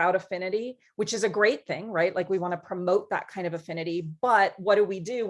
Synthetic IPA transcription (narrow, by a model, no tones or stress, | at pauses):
aʊɾɨfɪ̃ñɨɾi | wɨt͡ʃɨzɨɡɹeɪt̪̚θɪ̃ŋɹaɪt̚laɪkwiwɑ̃ñɨpʰɹ̥ɨmoʊt̪̚ðə̰t̚kʰãɪ̃ndʌvɨfɪ̃ñɨɾib̥ʌt̚wʌdɨwidɨ